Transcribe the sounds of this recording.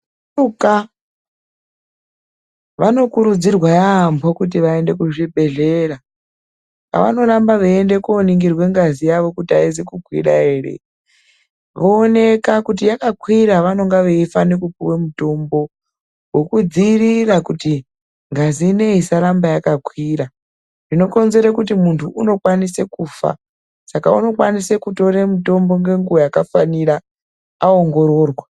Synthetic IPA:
uka | ʋano̞kuɾud͡zirwajaːmbʰʱokut̬iʋaende̞kuʐibʱe̞ɮe̞ra | ka̰ʋa̰no̞ɾambaʋeende̞kuoniŋɡirwe̞ŋɡazijaʋo̞kutiaizikukwḭɾa̰eːrḛ | ʋoːne̞kakut̬ijakakwiɾaʋano̞ŋɡaʋeifanekupuwemutombo̞ | wekud͡zirirakuti | ŋɡazine̞isaɾambajakakwiɾa | nino̞ko̞nze̞ɾekutimuntʰuuno̞kwanisekuːfa̰ | sakaṵno̞kwanisekuto̞ɾemuto̞mbo̞ŋɡe̞ŋɡuojakafaniɾa | aoŋɡo̞ɾo̞ːrwa

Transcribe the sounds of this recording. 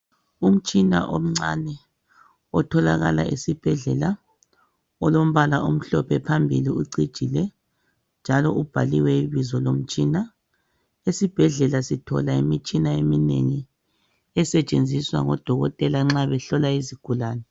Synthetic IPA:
um̩t͡ʃʼina̰ʔo̰m̩ŋ͡ǀanɛ | ɔtʰɔlaɣa̰la̰ʔesib̥ʱɛɮɛla | ɔlom̩βalaʔum̩ɬɔpʰɛpʰambʱiliuǀid̥ʒ̥ʱilɛ | nd͡ʒʱalɔʔub̥ʱaliwɛiβizɔlom̩t͡ʃʼina | esib̥ʱɛɮɛlasitʰɔ̰laimit͡ʃʼinaeminḛŋi | ɛsɛt͡ʃʼend͡zʱiswa̰ŋɔd̥ʱɔɣɔtʼɛlaŋ͡ǁaβɛɬɔlaiziɡ̥ʱulaːnɛ

